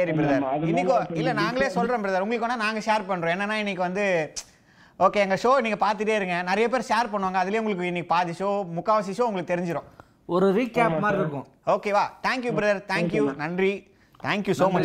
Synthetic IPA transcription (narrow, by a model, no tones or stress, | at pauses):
sɐɾipɪɾɐðɐɾɪnːɪkːɪlːɐnaːŋɡɐɭeːsɔlːɾõːpɪɾɐðɐɾʊŋɡɐɭɯkːɔnːanaːŋɡɐʃeːɾpɐɳːɾõːɛnːɐnːaːɪnːɪkːɯʋɐnd̪ɯ | oːkeːɛŋɡɐʂoːɪnːiːŋɡɐpaːɾt̪ɯʈ̬ːeːɪɾɯŋɡɐnɪɾɐjɐp̬eːɾʃaːɾpɐɳːɯʋaːŋɡɐðɪlɪjẽːʊŋɡɐɭɯkːɯɪnːɪkːɯpaːɾðɪʂoːmʊkːaːʋɐs̬ɪʃoːʊŋɡɐɭɯkːɯt̪ɛɾɪɲd͡ʒɪɾõ̰ː | ɔɾɯʋiːkːaːpmaːɾɪɾɯkːʊ̃ | oːkeːʋaːt̪ʰaːŋkjubɾɐðɐɾt̪ʰaːŋkjunɐndri | t̪ʰaːŋkjusoːmɐt͡ʃ